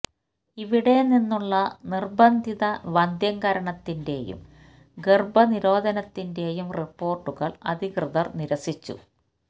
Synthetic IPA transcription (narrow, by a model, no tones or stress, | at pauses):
iʋiɽe̞ninːuɭːɐnirbɐnd̪ʱiðɐʋɐnd̪ʱjɐŋɡɐɾɐɳɐt̪ːinde̞jṵm | ɡerbɐniɾo̞ːd̪ʱɐnɐt̪ːinde̞jumripːo̞ːrʈːuɣɐɭɐ̰d̪ʱikrɨðɐrniɾɐsit͡ɕːṵ